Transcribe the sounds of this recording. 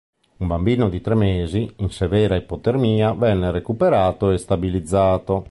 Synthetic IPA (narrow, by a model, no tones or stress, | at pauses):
umbambiːnod̪it̪ɾemːeːziinsevɛːɾaepːot̪ermiːavɛnːeɾekupeɾaːt̪oest̪abilid̪zːaːt̪o